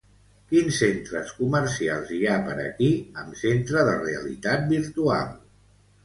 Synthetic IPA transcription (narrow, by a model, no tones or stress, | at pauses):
kinsːent̪ɾəskuməɾsialˠziapəɾə̰kiəmsent̪ɾəðəreəlḭt̪at̪̚biɾt̪ua̰lˠ